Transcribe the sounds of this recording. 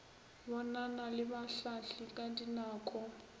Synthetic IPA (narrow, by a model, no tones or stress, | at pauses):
bɔnanalɪbaɬaɬikʼadinaːkʼɔ